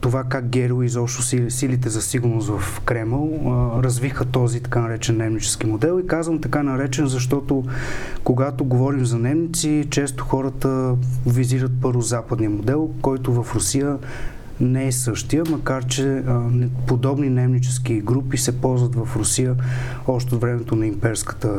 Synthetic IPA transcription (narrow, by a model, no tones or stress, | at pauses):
t̪ovakak̚ɡɛɾilˠizɔpʃt̪ʊsisilit̪ɛzɐsiɡʊɾnosvɐfkɾɛmɛlˠəɾɐzvixət̪ɔzit̪ɐ̥kanɐɾɛt͡ʃɛnːɛmnit͡ʃɛ̥sk̟imod̪ɛlˠikazvəmt̪ɐkanɐɾɛt͡ʃɛnzɐʃ̬t̪ɔt̪okoɡat̪oɡovɔɾimzɐnɛmnit̪sit͡ʃɛst̪ʊ̥xɔɾət̪əviziɾət̪̚pɤɾvozapəd̪nijəmod̪ɛlˠkɔjt̪ʊvɐfɾʊsijə | nɛɛsɤʃt̪ijəmɐkaɾt͡ʃɛ | pod̪ɔbninɛmnit͡ʃɛskiɡɾupisɛpɔlˠzvət̪vɐfɾʊsijə | ɔʃt̪ɛot̪vɾɛmɛt̪onɐimpɛɾskə̥t̪ə